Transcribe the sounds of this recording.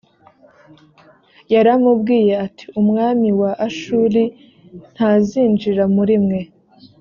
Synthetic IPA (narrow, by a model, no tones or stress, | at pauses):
jaɾamub̚ɡiːje̞ati̥umŋaːmiwaʔaʃuːɾi | n̥haziːnd͡ʒiɾamuɾimŋe̞